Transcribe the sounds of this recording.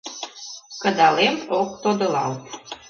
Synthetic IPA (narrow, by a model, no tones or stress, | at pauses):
kə̆d̪ɑlemok̚t̪od̪ɤ̆lɑlt̪